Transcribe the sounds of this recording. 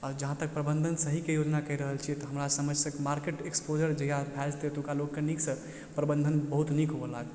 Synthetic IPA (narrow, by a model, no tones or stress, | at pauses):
əɾd͡ʒəɦãt̪ək̚pɾəbə̃nd̪ʱənsəɦikejod͡ʒnakəɦiɾəɦəlt͡ʃʰiɛt̪ɔɦəmɾasəməd͡ʒʱsə̃kemaɾkeʈekspod͡ʒəɾd͡ʒəɦijabʱad͡ʒt̪et̪ũkalokːenikʰsə̃ | pɾəbənd̪ʱənbəɦut̪nikʰɦobəlaɡə